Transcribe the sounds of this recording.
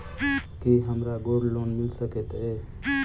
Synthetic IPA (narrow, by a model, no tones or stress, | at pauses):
kiɦəmɾaɡoːɖloːnmɪlsəket̪eː